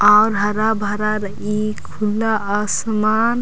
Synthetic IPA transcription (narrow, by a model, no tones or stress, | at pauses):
awɾɦəɾabʱəɾaɾə | ikʰulːaasman